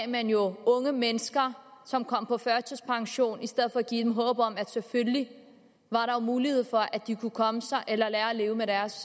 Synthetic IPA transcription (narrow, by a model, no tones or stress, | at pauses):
mænjo̝ɔ̽ŋəmenəsɡ̥ɐsɒ̽mkʰɒ̽m̰pʰɒ̽fɶɐt͡sʰəspʰɑ̈ŋɕo̝̰ːnisd̥eð̞̰ˠfɒ̽æɡ̥ḭːd̥emɦɔːb̥ɒ̽mæd̥sefølli | ʋɑ̈ɾɑ̈o̝muːlihe̝ð̞̰ˠfɒ̽ʔæd̥ikʰukʰɒ̽məsɑ̈ɪʔelɐlæːɐæle̝ːʊmeɾæɐs